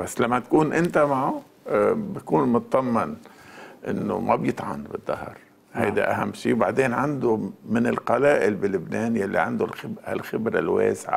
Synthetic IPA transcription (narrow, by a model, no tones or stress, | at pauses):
basːlamːat̪̚kuːnʔɪnt̪amaʕʊ | bakuːnmʊt̪̚d̪ˤɑmːɪnʔɪ̰nːo̰mʔabjɪt̪ˤʕɑ̰nbɪd̪ˤːɑ̰hɾ | ha̰jd̪a̰ʔaɦamːʃiːwbaʕd̪eːnʕand̪omɪnɪlqɑlaːʔɪlbilɪbneːnjalːiʕand̪ʊlɪbha̰lxɪbɾalwḛːsʕa̰